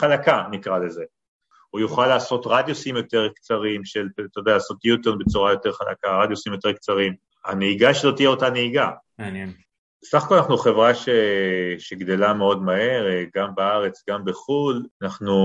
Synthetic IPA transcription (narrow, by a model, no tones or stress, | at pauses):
χalakanikʁale̞ze̞ | ujuχalːaːso̞tʁad̪josimjo̞te̞ʁkt͡saʁimʃe̞lt̪odalaso̞t̪jut̪eʁnbe̞t͡suʁajo̞te̞ʁχala̰kaʁad̪josimjo̞t̪e̞ʁk̚t͡saʁim | a̰neiɡaʃelo̞tijeo̞taneiɡa | nen | esaχakolanaχnuχe̞vʁaʃeʃeɡd̪e̞lameo̞dmahe̞ʁɡambeaʁe̞t͡sɡambeχulanaχnu